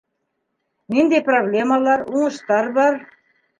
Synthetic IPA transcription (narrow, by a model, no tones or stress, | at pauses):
nind̪ejproblʲemalˠɑɾuɴɤ̆ʃt̪ɑɾβɑɾ